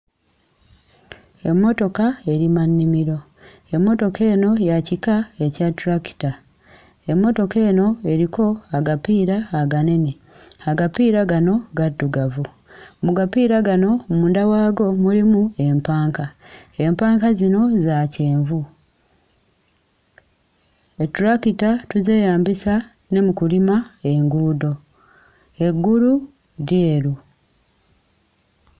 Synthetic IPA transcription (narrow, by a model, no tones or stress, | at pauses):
e̞mːo̞to̞kae̞ɾimanːimiɾo̞ | e̞mːo̞to̞ke̞ːno̞jacikae̞catɾaki̥ta | e̞mːo̞to̞ke̞ːno̞e̞ɾiko̞aɡapiːɾaːɡane̞ni | aɡapiːɾaɡano̞ɡadːuɡavu | muɡapiːɾaɡano̞muːndawaːɡo̞mulimue̞mpaːŋkaempaːŋkazino̞zace̞ːɱvu | etuɾakitatuze̞ːjaːmbisa | ne̞mukulimae̞ŋɡuːdo̞ | e̞ɡːuɾu | ɾjeːɾu